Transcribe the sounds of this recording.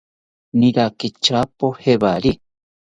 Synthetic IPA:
niɾakit͡ʃapoheβaɾi

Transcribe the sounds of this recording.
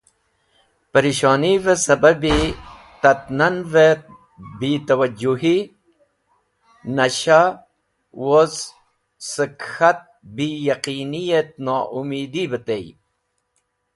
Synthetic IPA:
pɐɾiʃɑːnivesɐbɐbi | t̪ɐt̪nɐnve | biːt̪ɐwɐd͡ʒuɦi | nɐɕa | woz | səkhat̪̚bijɐqiːnijet̪̚nɑːʔumiːd̪ibət̪ej

